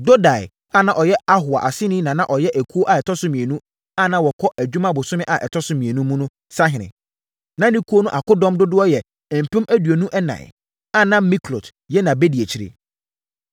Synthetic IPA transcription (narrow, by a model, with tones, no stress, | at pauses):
do˦da˨ɪ̰˨ | a˦˨nã˨ʔɔ˨jɛ˦a˦ɦʊ˨a˨ʔa˨sɪ˦nɪ̃˦nã˨nã˦ʔɔ˨jɛ˦ʔæ˨kʰu˦o˦ʔa˨ɛ˨tʰɔ˦sʊ˦mĩ˨e˨nũ˦ | a˦˨nã˦wɔ˨kʰɔ˦ʔæ˨d͡ʑᶣu˦mã˦bʊ˨sʊ˦mɪ̃˦ʔa˨ʔɛ̰˨tʰɔ˦sʊ̃˦mĩ˨e˨nũ˦mũ˦nʊ̃˦ | sã˦ɦɪ̃˨nɪ̰̃˨ | nã˦nĩ˦kʰu˦o˦nʊ̃˦ʔa˨kʊ˦dɔ̃˦mdʊ˦dʊ˦ɔ˦jɛ˨ | m̩˨pʰɛ̃˦mæ˦du˨o˨nũ˦ʔɛ˦nã̰˨ɪ̰˨ | a˦˨nã˦mi˦kʰlo˨t | jɛ˦nã˨be˦di˨e˨t͡ɕʰi˨ɾɪ̰˦